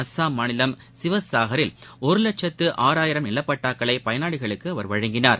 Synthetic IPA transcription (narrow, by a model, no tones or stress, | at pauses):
ɐsːaːmanɪlɐm | sɪʋɐsaːɣɐɾɪlɔɾɯlɐʈ̚t͡ʃɐt̪ːɯʔaːɾaːjɪɾɐmnɪlːɐpːɐʈːaːkːɐɭɐɪpɐjɐnaːɽɪɣɐɭɯkːɯɐʋɐɾʋɐɻɐŋɡɪnaːɾ